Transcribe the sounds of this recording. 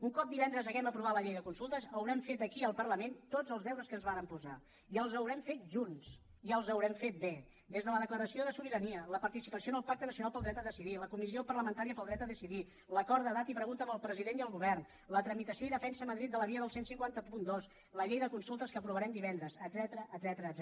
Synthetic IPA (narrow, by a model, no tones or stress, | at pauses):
uŋkɔp̚d̪iβɛnd̪ɾəzəɣɛməpɾuβ̞at̪ləʎejðəkunsulˠt̪əzəwɾɛmfet̪əkiəlˠpərləment̪odd͡zəlˠzðɛwɾəskənzβanəmpuza | iəlˠzəwɾɛmfet̪̚ʒuns | iəlˠzəwɾɛmfet̪̚be | d̪ezðələðəkləɾəsioðəsuβ̞iɾəniələpəɾt̪isipəsionəlˠpak̚t̪ənəsiunalˠpəlˠd̪ɾɛt̪əðəsiðiləkumisiopərləmənt̪aɾiəpəlˠd̪ɾɛt̪əðəsiði | ləkɔɾðəðat̪ipɾəɣunt̪əməlˠpɾəziðeniəlˠɣuβɛrn | lət̪ɾəmit̪əsioiðəfɛnsəməðɾit̪̚d̪ələβiəðəlˠsensiŋkwant̪əpund̪os | ləʎejðəkunsulˠt̪əskəpɾuβəɾɛmd̪iβɛnd̪ɾəzət̪zɛt̪ɾəʔːd̪zɛt̪ɾə